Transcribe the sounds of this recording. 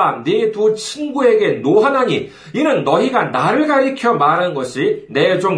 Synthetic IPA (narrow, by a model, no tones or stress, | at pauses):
anitut͡ɕʰinɡue̞ɡe̞noɦanaɲi | inɯnːʌiɡanaɾɯɭɡaɾikʰjʌmaɾannɡʌɕʰiɭne̞d͡ʑoŋ